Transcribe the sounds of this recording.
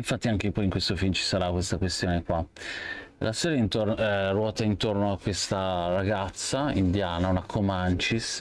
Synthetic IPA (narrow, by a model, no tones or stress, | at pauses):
iɱfat̪ːiaŋk̟epɔjiŋkwest̪ofilmt͡ʃi̥saɾakwest̪akwest̪joːnekwa | lʔasɛːɾjaint̪orɛrwɔːt̪aint̪ornoakːwest̪araɡat̪sːaind̪jaːnaunakʰomant͡ʃis